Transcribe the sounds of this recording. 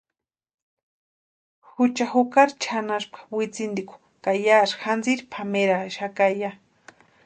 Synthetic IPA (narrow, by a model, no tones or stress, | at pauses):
hʊt͡ʃaxʊkaɾt͡ʃʰanaʃpḁwɪt͡sɪnd̪ikʷʊ̥ | kajaʃxand͡ziɾpʰameɾaʃakaja